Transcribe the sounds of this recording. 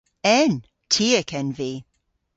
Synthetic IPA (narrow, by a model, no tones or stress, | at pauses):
ɛn | tʰiːɛkʰɛnviː